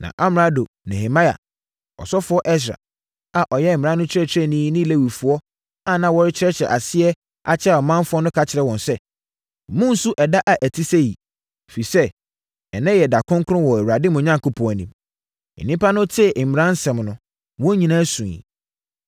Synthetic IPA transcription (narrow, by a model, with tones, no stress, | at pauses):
nã̰˨ʔa˦m˨ɾa˦do˨ | nɛ˨he˨mã˦ja̰˨ | ɔ̰˨sɔ˦fʊ˨˦ɔ˦ʔɛ˦s̬ɾa̰˨ | a˨ʔɔ˨jɛ˦m̩˨mɪ̃˨ã˦nʊ̃˦t͡ɕʰɾɛ˦t͡ɕʰɪ˨ɾɛ˦nĩ˦nɪ̃˦˨le˦wi˨fʊ˨ɔ˦ | a˨nã˨wɔ˦ɾɪ˦t͡ɕʰɪ˦ɾɛ˦t͡ɕʰɾɛ˨ʔa˨sɪ˦ɛ˦ | a̰˨t͡ɕʰɪ˦a˨ɔ˨mã˦nfʊ˦ɔ˦nʊ̃˦kʰa˨t͡ɕʰɪ˨ɾɛ˨wɔ̃˨nsɛ˦˨ | mʊ̃˦n̩˦su˦ʔɛ˨da˦ʔa˨ʔæ˨tʰi˦sɛ˦jḭ˨ | fi˨sɛ˦ | ɛ˨nɛ̃˦jɛ˨da˨kʰʊ̃˦ŋ˦kʰʊ˦ɾʊ̃˦wɔ˨æ˨wɾa˨dɪ˦mʊ̃˨ɲã˦ŋkʊ˦pʰɔ̃˨æ˨nĩ˨m̩̰˨ | nĩ˦pʰa˦nʊ̃˦tʰɪ˦˨m˨ɾã˦n˦sɛ̃˨mnʊ̃˦ | wɔ̃˦ɲĩ˨nã˦sũ˨ḭ˨